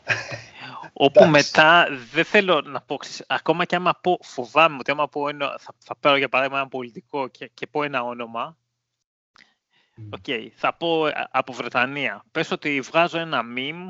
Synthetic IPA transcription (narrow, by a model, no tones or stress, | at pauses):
o̞pume̞t̪ɐðeθe̞lo̞nɐpo̞ksesɐko̞mɐceɐmɐpo̞fovɐmeo̞t̪iɐmɐpoenoθɐθɐpɐɾoʝɐpɐɾɐðimɐenɐbo̞lit̪iko̞cecepo̞enɐo̞no̞mɐ | o̞ce̞iθɐpo̞ɐpo̞vɾe̞t̪ɐniɐpe̞sot̪ivɣɐzo̞e̞nɐmim